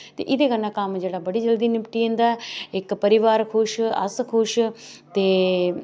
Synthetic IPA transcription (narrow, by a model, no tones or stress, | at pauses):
t̪ḛːʔɪd̪eːkənãːkəmd͡ʒeːɽaːbəɽiːd͡ʒəld̪iːnɪpʈiẽːnd̪aːɪkpəɾɪʋaːɾkʰʊʃə̰skʰʊʃt̪eː